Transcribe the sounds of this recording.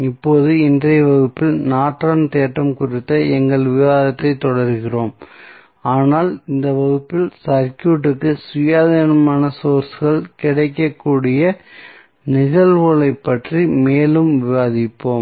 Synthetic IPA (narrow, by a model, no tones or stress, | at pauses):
ɪpːoːðɯɪndrɐjɐʋɐɣɯpːɪlnaːʈrɐnt̪eːʈːɐmkʊrɪt̪ːɐɛŋɡɐɭʋɪʋaːðɐt̪ːɐɪt̪ːɔɽɐɾɣɪroːm | aːnaːlɪnd̪ɐʋɐɣɯpːɪlsɐɾkjuːʈ̬ːɯkːɯsʊjaːðɐnɐmaːnɐsoːɾsɣɐɭkɪɽɐɪkːɐkːuːɽɪjɐ | nɪɣɐɭʋɔɭɐɪpːɐʈrimeːlɯmʋɪʋaːðɪpːoːm